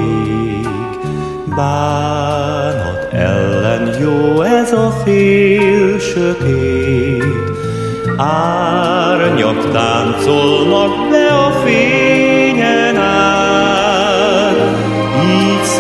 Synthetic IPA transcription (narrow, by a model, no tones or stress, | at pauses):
e | ɡ | baː | nɔ̰t̪ʰɛ̰lːɛnjoːɛzɒfeːlʃøt̪eː | aː | ɾɲɒ̰kt̪aːnt̪solnɒklɛɒfeːɲɛna | iːts